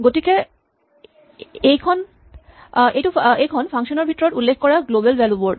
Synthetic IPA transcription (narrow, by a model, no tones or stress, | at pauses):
ɡotike | ejkʰɔn | ejtuejkʰɔnfaŋʃɔnebʱitːɔɾɔʈulːekʰkɔɾaɡlobelwɛloboɖ